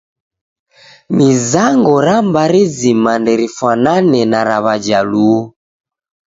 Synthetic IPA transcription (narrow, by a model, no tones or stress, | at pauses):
mizaŋɡɔɾambaɾizimandɛɾifwananɛnaɾaβad͡ʒalu